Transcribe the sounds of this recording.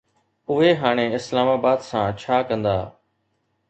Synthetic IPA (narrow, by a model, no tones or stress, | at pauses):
ʊɦeːɦaːɽ̃eːɪslaːmaːbaːd̪sãːt͡ʃʰaːkə̃nd̪a̰ː